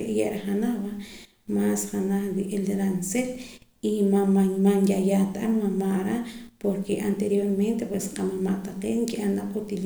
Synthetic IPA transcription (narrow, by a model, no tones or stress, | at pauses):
eʔjaʔɾaχanaβa | masχanaχd̪iʔeld̪eɾanselimaamaŋjajat̪aammamaʔɾapoɾkeʔant̪eɾjoɾment̪epwesqamamaʔt̪aqeːʔŋkiʔanaqut̪il